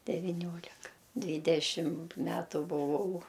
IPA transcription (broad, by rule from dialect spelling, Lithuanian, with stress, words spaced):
dʲɛʋʲɪˈnʲoːlʲɪkɐ ˈdʲʋʲiːdʲɛʃʲɪm ˈmʲæːtʊ bʊˈʋɐʊ